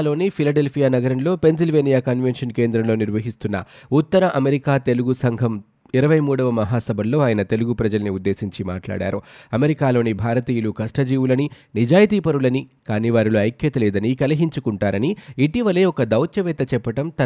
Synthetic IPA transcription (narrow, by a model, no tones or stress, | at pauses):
lo̞ːnipʰilɐɖe̞lpʰijaːnɐɡɐɾɐnlo̞ːpe̞ns̬ilʋe̞ːnijaːkɐnʋenʂɐnke̞ːnd̪ɾɐmlo̞ːniɾʋɐɦist̪unːɐ̰ut̪ːɐɾɐʔɐme̞ɾikaːt̪e̞luɡusɐŋɡʱɐm | iɾɐʋɐjmuːɽɐʋɐmɐɦaːsɐbʱɐlːo̞ːaːjɐnɐt̪e̞luɡupɾɐd͡ʒɐlɐniud̪ːe̞ːsiɲt͡ʃima̰ːʈla̰ːɽa̰ːɾuɐme̞ɾikaːlo̞ːnibʱaːɾɐt̪iːjulukɐsʈɐd͡ʒiːʋulɐni | nid͡ʒaːjt̪iːpɐɾulɐnikaːniːʋaːɾiloɐjkjɐt̪ɐlɛːd̪ɐnikɐlɐɦiɲt͡ʃukuɳʈaːɾɐniːʈiʋɐle̞ːɔkɐd̪ɐwt͡ʃjɐʋɛːt̪ɐt͡ʃɛpːɐʈɐmt̪ɐ